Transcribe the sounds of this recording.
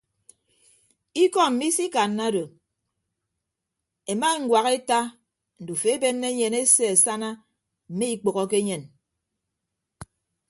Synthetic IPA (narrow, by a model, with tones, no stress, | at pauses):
i˦kɔ˦m̩˨mi˦si˦ka˨nːa˦do˨ | e˨ma˦ŋ̩˨˦ɡwa˨ɣe˦ta˦ | n̩˨du˨fe˨e˦be˦nːe˦ɲe˨ne˦se˦e˨sa˦na˦ | m̩˨me˦i˦k͡po˨ɣɔ˦k̬e˦ɲe˨n